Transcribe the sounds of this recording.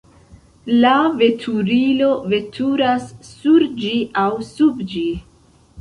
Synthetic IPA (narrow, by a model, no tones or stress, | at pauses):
lave̞tʰuɾilo̞ve̞tʰuɾasːuɾd͡ʒiʔawsubd͡ʒi